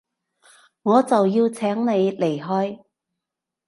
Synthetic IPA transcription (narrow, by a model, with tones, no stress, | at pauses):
ŋɔː˨˧t͡sɐ˨wjiː˧wt͡sʰɛː˨˥ŋne˨˧jle˨˩jɦɔː˥j